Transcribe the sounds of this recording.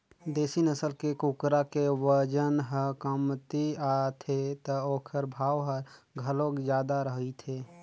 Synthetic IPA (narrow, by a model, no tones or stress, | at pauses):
d̪eːsinəsəlkekukɾakewəd͡ʒənɦəkəmt̪iat̪ʰet̪əoːkʰəɾbʱaːʋɦəɾɡʱəlokd͡ʒjaːd̪aɾəɦit̪ʰeː